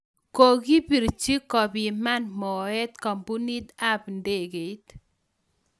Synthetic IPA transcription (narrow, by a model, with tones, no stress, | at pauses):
ko˨ɡi˦pi˨ɾt͡ʃi˦kːɔ˨bi˨ma˦nmɔ˨ɛ˦t̪ka˨mbu˦ni˦t̪a˦pnde˨ɡe˨˦t̪